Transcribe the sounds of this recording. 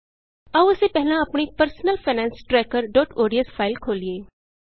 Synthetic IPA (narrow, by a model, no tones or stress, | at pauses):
əʊsepɛɦlãɐpɳipəɾsnəlpʰeːnɛ̃ːnsʈɾɛːkəɾɖɔːʈoːɖiəspʰaːɪlkʰoːlieː